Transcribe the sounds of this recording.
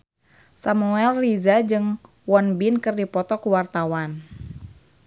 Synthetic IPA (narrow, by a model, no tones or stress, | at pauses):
samuɛlrizad͡ʒɨŋ | wɔnbinkɨrdipɔt̪ɔkuwart̪awan